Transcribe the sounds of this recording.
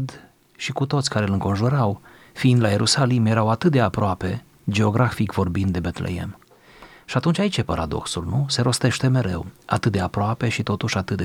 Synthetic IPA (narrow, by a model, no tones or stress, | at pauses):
d̪ | ʃikut̪ot̪sʲkaɾelɨŋko̞nʒuɾaw | fiind̪laje̞ɾʔusalimje̞ɾawat̪ɨt̪̚d̪e̞apɾoape̞ | d͡ʒe̞o̞ɡɾafikvo̞rbind̪e̞bet̪lḛḛm | ʃiat̪unt͡ʃʲait͡ʃepaɾʔad̪o̞̰ksulnuse̞ɾo̞st̪e̞ʃt̪e̞me̞ɾe̞̰wat̪ɨt̪̚d̪eapɾoape̞ʃit̪o̞t̪uʃat̪ɨt̪̚d̪